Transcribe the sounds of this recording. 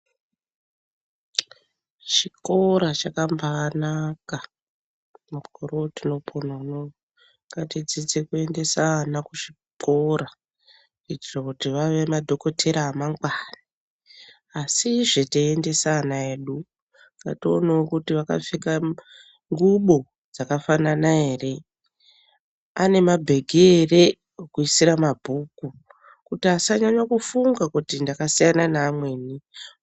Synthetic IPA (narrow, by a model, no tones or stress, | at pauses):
t͡ʃikoɾat͡ʃakambaːnaka | mukoɾotino̞pʰonano | ŋɡatid͡zit͡sekue̞nde̞sanakuʂi | kʰoɾa | it͡ʃirokutiʋaʋe̞madʱo̞ko̞tʰe̞ɾaːmaŋɡwani | asiʐeteende̞sanae̞ːɗu | ŋɡa̰toːnaokutiʋaka̰fika | ŋɡuɓo̞ | d͡zakafananae̞ːre̞ | a̰ne̞mabʱe̞ɡʱere̞ | okuisiɾamabʱuːku | kutiasaɲaɲwakufuŋɡakutindakasijananaːmwe̞ːni